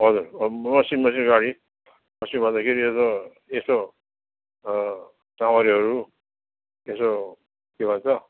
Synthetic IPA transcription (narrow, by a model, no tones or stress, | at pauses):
ɦʌd͡zuɾmʌsinmʌsinɡaɽi | mʌsinbʱʌd̪akʰeɾieso | eso | samaɾiɦʌɾu | eso | kebʱʌnt͡sʰʌ